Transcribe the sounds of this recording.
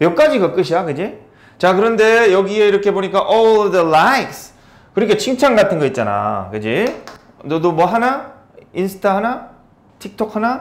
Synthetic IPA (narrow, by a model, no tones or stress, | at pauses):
jʌk͈ad͡ʑiɡʌk͈ɯɕʰiakɯd͡ʑi | t͡ɕakɯɾʌnde̞jʌɡie̞iɾʌkʰe̞boɲik͈aʔɔldəlajks | kɯɾikʰet͡ɕʰiŋt͡ɕʰaŋɡatʰɯnɡʌit̚t͡ɕ͈ana̰kɯd͡ʑi | t͡ɕʌdomwʌɦana | insʰɯ̥tʰaɦana | tʰik̚tʰok̚hana